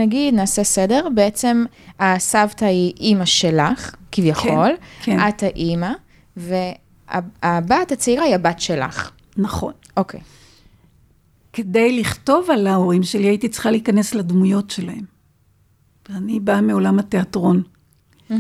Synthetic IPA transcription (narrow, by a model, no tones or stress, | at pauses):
naɡidnaːsesede̞ʁbeet͡se̞m | asavtaiʔimaʃe̞laχkivjaχo̞lkʰeathaʔima | ve̞ | a̰abatat͡seiʁaiabatʃe̞la̰χ | naχo̞̰nʔokʰej | kedejliχto̞valaoʁimʃeliaitit͡si̥χaliːkanesladmujo̞tʃe̞lahem | anibameo̞lamateatʁo̞n